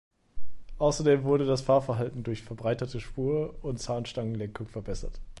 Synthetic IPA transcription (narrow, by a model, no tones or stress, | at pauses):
ʔaʊsɐdeːmvʊɐɾədasfaːɐfɛɐɦaltn̩dʊɐçfɛɐbʁaɪtɐtʰəʃpuːɐʊntt͡saːnʃtaŋənlɛŋkʊŋfɛɐbɛsɐ̰t